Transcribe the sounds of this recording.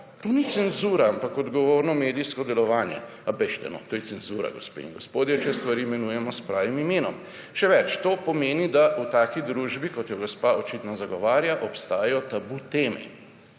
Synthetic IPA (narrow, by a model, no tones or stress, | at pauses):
t̪onit̪sɛnzuːɾaampakɔd̪ɡɔʋoːɾnɔmeːd̪ijskɔd̪ɛlɔʋaːnjɛ̰ | abɛʃt̪ɛ̰nɔ̰t̪oːjɛsɛnzuːɾa̰ɡospḛiŋɡospoːd̪jɛt͡ʃɛst̪ʋaɾimɛnuːjɛmɔspɾaːʋimimeːnɔm | ʃɛʋɛt͡ʃt̪oːpɔmeːnid̪aʔut̪aːkid̪ɾuːʒbikɔt̪jɔɡɔspaot͡ʃit̪nɔzaɡɔʋaːɾjaʔɔpst̪aːjɛjɔt̪abut̪eːmɛ̰